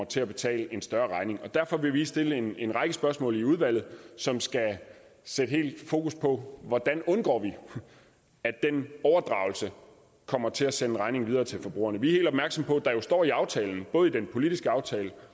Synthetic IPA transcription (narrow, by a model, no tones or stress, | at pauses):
ɐt͡sʰe̝æb̥e̝t͡sʰɛ̰ːləe̝nsd̥ɶɐʁɑ̈ɪne̝ŋɒ̽d̥æɐfɒ̽ʋe̝ʋisd̥e̝ləe̝ne̝nʁɑ̈ɪɡ̥əsb̥ɶɐsmɔ̰̽ːliuð̞ˠʋæl̰ð̩ˠsɒ̽msɡ̥æ | sed̥əɦe̝̰ːld̥fo̝ːkʰuspʰɒ̽ʋɒd̥ænɔ̽nɡ̥ɒ̰ːʋi | æd̥enɒʊɐd̥ʁɑ̈ʊl̩sə | kʰɒ̽m̰ɐt͡sʰe̝læsenəʁɑ̈ɪne̝ŋʋið̞ˠɐːt͡sʰe̝lfɒ̽b̥ʁṵːɐnəʋiɐhe̝ːld̥ɒb̥̚mæɐɡ̥sɒ̽mpʰɒ̽d̥ɑ̈jo̝sd̥ɒ̰ːiɑ̈ʊt͡sʰɛːln̩b̥ɔ̽ːð̞̩ˠid̥enpʰo̝lid̥isɡ̥əɑ̈ʊt͡sʰɛːlə